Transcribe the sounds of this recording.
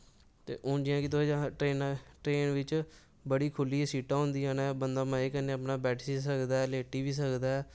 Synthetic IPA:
t̪ḛːʔõːd͡ʒɪãːkɪt̪ːd͡ʒaʈɾeːnʈɾeːnʋɪt͡ʃ | bəɽiːkʰʊlːiːɛsiːʈãːʊ̃nd̪iːaːnaɛbənd̪aːmãːekənẽːəpnaːbɛːʈʰsisəkd̪aːɛːleːʈiːʋiːs̬əkd̪aːɛː

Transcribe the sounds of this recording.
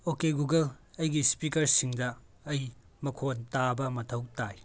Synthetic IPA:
okeɡuɡɐlɐjɡispikɐɾsiŋdɐː | j | mɐkʰontabɐmɐtʰɐwtaj

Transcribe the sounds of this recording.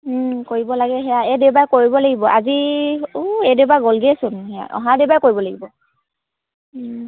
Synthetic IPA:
koɹibɔlaɡɛɦɛjaɛdewbajkoɹibɔlaɡibɔʔa̰ziuedeʊbaɡɔlɡɛsʊnɦɛja̰ʔɔ̰ɦadeʊbajkoɹibɔlaɡibɔ

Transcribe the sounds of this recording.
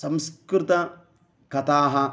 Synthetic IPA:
sɐmskɾit̪ɐ | kɐt̪aːɦɐ

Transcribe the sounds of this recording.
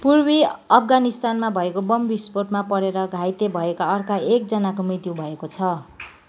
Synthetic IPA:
purbiʌpʰɡanist̪anmabʱʌekobʌmbisporʈmapʌɽeɾʌɡʱajt̪ebʱʌekaʌrkaek̚d͡zʌnakomrit̪jubʱʌekot͡sʰʌ

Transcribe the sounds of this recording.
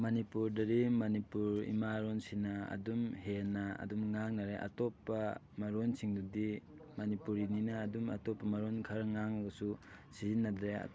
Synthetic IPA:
mɐnipuɾdɐɾimɐnipuɾḭmaɾonsinɐɐ̰dumhenːaɐ̰dumŋaŋnaɾeʔa̰tɔpːɐ | mɐɾonsʰiŋdudi | mɐnipuɾininɐːdumɐ̰tɔpːɐmɐɾonkʰɐɾŋaŋɡɐsusizinːadɾea̰

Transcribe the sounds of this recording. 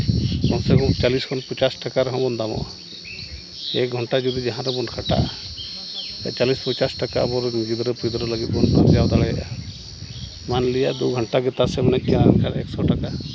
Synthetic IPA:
bɔnsɛkɔt͡ʃaliskʰɔnpɔt͡ʃasʈakaɾɛɦɔ̃bɔnd̪amɔ̰ʔa | ɛ̰k̚ɡʱɔɳʈad͡ʒud̪id͡ʒaɦãɾɛbɔnkʰaʈa̰ʔ | a̰t͡ʃalispɔt͡ʃasʈaka̰bɔɾniɡid̪ɾɔpid̪ɾɔləɡit̪̚bɔnːa̰ɾd͡ʒawd̪aɭɛjʔa̰ | manlijaʔd̪uɡʱɔɳʈaɡɛt̪asɛmanɛt̪̚kɛnankʰaɽɛksɔʈaka

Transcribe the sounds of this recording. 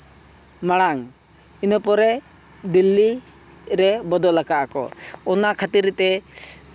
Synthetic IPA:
maɽaŋ | inəpɔɾɛ | d̪ilːi | ɾɛbɔd̪ɔlakaʔakɔ̰ɔnaʔkʰat̪iɾt̪ɛ

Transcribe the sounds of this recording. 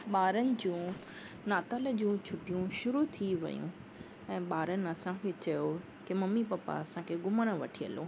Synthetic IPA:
ɓaːɾənɪ̆d͡ʑũː | naːt̪ələ̆d͡ʑũːt͡ɕʰʊpijũʃʊɾut̪ʰiʋɐ̰jṵ̃ | ɛ̃ːɓaːɾənɪ̆ɐsãkʰeːt͡ɕɐjo | kemɐmipɐpa̰ɐsãkʰeːɡʊməɽ̃əʋɐʈʰiə̰lo̰ː

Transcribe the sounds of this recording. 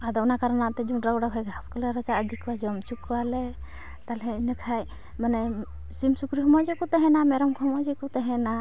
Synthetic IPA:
ad̪ɔɔnakaɾanaʔt̪ɛd͡ʒuɾaɡuɽakʰajɡʱaskɔlɛɾat͡ʃaəd̪ʱikwad͡ʒɔmt͡ʃukwalɛ | t̪alɦɛinəkʰaj | manɛ | simsukɾiɦɔmad͡ʒɔkɔt̪ɛɦɛnamɛɾɔmkɔmad͡ʒɔkɔt̪ɛɦɛna

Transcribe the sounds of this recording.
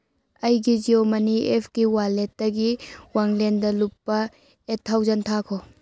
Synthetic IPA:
ɐjɡid͡ʒiomɐniepʰkiwaletːɐɡiwaŋlendɐlupːɐ | etʰːawzɐntʰakʰo

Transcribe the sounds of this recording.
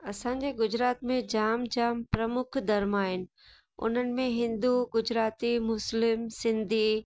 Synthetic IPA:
ɐsãːɲ̆d͡ʑeɡʊd͡ʑɾaːt̪mẽd͡ʑaːmd͡ʑaːmpɾɐmʊkʰd̪ɐɾmaːɦɪnɪ̆ | ʊ̰n̤ənɪ̆mẽɦɪ̃nd̪uɡʊd͡ʑɾaːt̪imʊslɪmsɪ̃nd̪ʱi

